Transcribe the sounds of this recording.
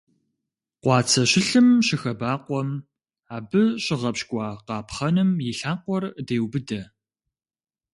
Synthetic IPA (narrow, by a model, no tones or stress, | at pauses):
qʷɑːt͡sʰɐɕɪɬɨmɕɪxɐbaːqʷɔm | aːbɨɕʼɪʁɐpɕkʷʼɑːqɑːpχɐnɨmjɪɬaːqʷɔrdeːwbɨdɐ